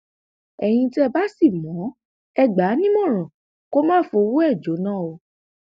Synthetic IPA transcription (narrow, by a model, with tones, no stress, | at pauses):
ɛ˨j̃ĩ˧ti˦ɛ˧ba˦si˦˨mɔ̃˨˦ | ɛ˧ɡ͡ba˨˦nĩ˦mɔ̃˦˨ɾ̃ã˨ | ko˦mãː˦˨fo˧wu˦ɛ˦˨d͡ʒo˨˦nãː˦˨o˧